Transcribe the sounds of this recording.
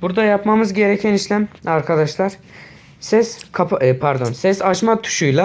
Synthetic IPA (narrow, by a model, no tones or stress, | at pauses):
buɾd̪ajapmamɯzɟe̞ɾɛcʰæniʃlʲæmaɾkʰad̪aʃlˠaɾ | sɛskʰapːpʰaɾd̪o̞nsɛsat͡ʃmat̪ʰu̥ʃujlˠa